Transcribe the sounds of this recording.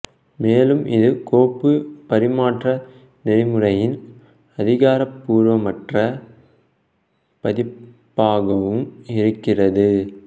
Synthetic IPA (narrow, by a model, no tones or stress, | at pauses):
meːlɯmʔɪ̰ðɯkoːpːɯpɐɾɪmaːʈrɐ | nɛrɪmɯrɐjɪn | ɐðɪɣaːɾɐpːuːɾʋɐmɐʈrɐ | pɐðɪpːaːɣɐʋɯmɪɾɯkːɪrɐðɯ